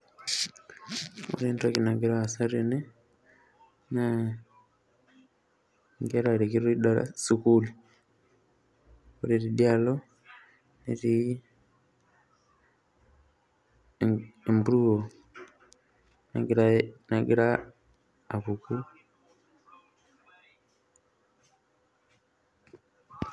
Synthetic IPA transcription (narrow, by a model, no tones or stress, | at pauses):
o̰ɾeːntakinaɡiɾaːsaɾene | na | ŋɡeɾaɾekiɾoidala̰sukuli | oɾiɾidjalo | neɾi | embuɾuo | nɡanaɡiɾaː | βuku